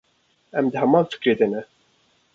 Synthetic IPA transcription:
ɛmd̪ɨɦɛmɑːnfɨ̥kɾeːd̪ɛnɛ

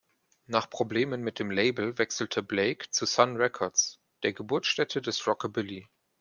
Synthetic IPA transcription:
naːχpʁ̥obleːmənmɪt̚d̥eːmleɪbl̩vɛksl̩tʰəbleɪkt͡susanʁɛkʰɔɐts | d̥eːɐɡəbʊɐt͡sʃtɛtʰədɛsʁɔkəbɪli

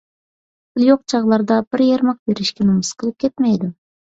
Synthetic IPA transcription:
b̥lˠjoq̚t͡ʃʰɑʁlˠɑɾd̪ɑb̥ɪɾjeɾmɑq̚beɾɪʃkʲɛnumɨsqʰəlˠɨp̚kʲʰet̪mɛjd̪ɪ

